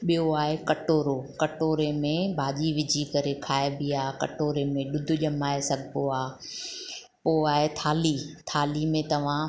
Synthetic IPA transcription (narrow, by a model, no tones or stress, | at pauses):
ɓijoaːɦekɐʈoːɾokɐʈoːɾemẽbʱaːʄiʋɪd͡ʑʱikɐɾekʰaːebiaːkɐ̰ʈoːɾemẽɗʊd̪ʱʊ̆ʄɐmaːesɐɡʱɪpoaː | poːaːɦet̪ʰaːlit̪ʰaːlimẽt̪ɐʋ̤ã